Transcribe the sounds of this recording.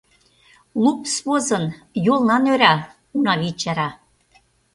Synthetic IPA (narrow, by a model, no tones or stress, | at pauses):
lˠupsβozɤ̆n | jolˠnɑnøɾɑ | unɑβit͡ɕɑɾɑ